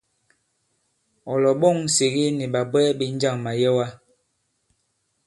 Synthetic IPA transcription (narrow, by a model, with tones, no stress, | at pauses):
ɔ˨lɔ˨ɓo˦˨ŋ˨si˨ɣi˦ni˨ɓa˨bwɛ˦bi˦n˦d͡ʒa˦˨ŋma˨jɛ˦wa˦